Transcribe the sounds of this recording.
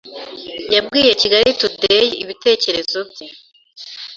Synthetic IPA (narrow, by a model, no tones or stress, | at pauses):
jabɡiːje̞ciɡaɾitudejeiβite̞ːce̞ɾe̞zo̞bje